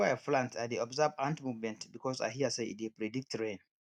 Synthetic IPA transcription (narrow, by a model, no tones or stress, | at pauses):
aflãntaðiɔbzabãntmuvmɛ̃ntbikʰɔsa̰jɦiaseḭt̚dipɹɛdik̚tɹẽn